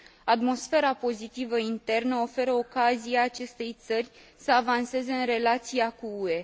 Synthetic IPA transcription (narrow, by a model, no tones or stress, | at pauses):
at̪mo̞sfe̞ɾapo̞zit̪ivəint̪e̞rnəo̞fe̞ɾəokazijaːt͡ʃe̞st̪e̞jt̪sərʲsəavanse̞ze̞ɨnre̞lat̪sijakuue̞